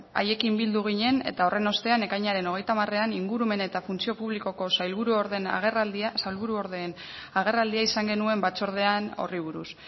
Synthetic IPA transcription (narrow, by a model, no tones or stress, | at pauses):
a̰je̞kimbild̪uɣ̞iɲe̞ne̞̰t̪ao̞re̞no̞st̪e̞ane̞kajɲaɾe̞no̞ɣ̞e̞jt̪amare̞aniŋɡuɾume̞ne̞t̪afunt͡sio̞puβliko̞ko̞sajlβuɾuoɾðena̰ɣrad̪iasajlβuɾuoɾðeːn | aɣ̞e̞rald̪iaisaŋɡe̞nue̞mbat͡so̞ɾð̞e̞ano̞̰riβ̞uɾus